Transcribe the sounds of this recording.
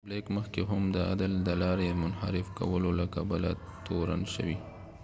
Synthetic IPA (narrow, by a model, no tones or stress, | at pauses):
blekməxkeɦʊmd̪əa̰d̪əld̪əlɑɾemʊnha̰ɾɪfka̰wəlolakabəla̰ | t̪oɾa̰nʃə̰wi